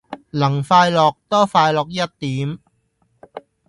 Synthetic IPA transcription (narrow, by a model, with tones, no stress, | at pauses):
lɐ˨˩ŋfaː˧jlɔː˨k̚t̪ɔː˥faː˧jlɔː˨k̚jɐ˥t̚t̪iː˨˥m